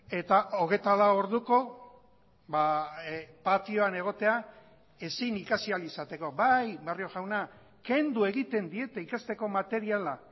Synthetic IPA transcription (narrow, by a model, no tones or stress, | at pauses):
e̞t̪aʔo̞ɣ̞e̞t̪alaooɾðuko̞ | ba | pat̪io̞ane̞ɣ̞o̞t̪e̞a | e̞sinikasialisat̪e̞ko̞bajberio̞ʝawna | ke̞nd̪ue̞ɣit̪e̞nd̪ie̞t̪e̞ikast̪e̞ko̞mat̪e̞ɾiala